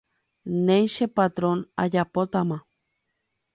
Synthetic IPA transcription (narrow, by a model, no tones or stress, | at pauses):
nẽjʃepat̪ɾona̰japot̪amã